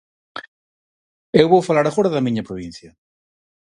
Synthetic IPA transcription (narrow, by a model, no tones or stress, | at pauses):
ewβowfalaɾɐfoɾɐðɐmĩɲɐpɾoβ̞ĩn̟θjɐ